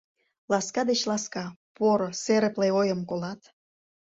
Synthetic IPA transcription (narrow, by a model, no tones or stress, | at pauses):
lɑskɑd̪et͡ɕlɑskɑpoɾoseɾə̆pleojəmkolɑt̪